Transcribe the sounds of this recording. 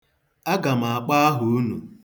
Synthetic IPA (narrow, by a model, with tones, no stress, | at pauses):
a˦ɡa˨ma˨a˨k͡pa˦a˦ɦu˨u˦nṵ˨